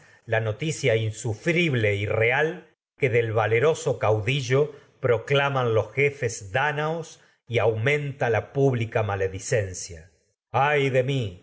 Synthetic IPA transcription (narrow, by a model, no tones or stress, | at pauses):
lano̞t̪isjainsufɾiβle̞ireal | ke̞ðelβale̞ɾo̞so̞kawðiʒo̞ | pɾo̞klamanlo̞sxe̞fe̞zd̪anaos | iawmẽ̞nt̪alapuβlikamaleðise̞nsja̰ | ajðe̞mi